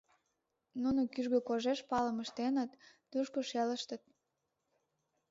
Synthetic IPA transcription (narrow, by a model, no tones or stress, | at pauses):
nunokyʒɣøkoʒeʃpɑləməʃt̪enət̪ː | uʃkoʃeləʃt̪ət̪̚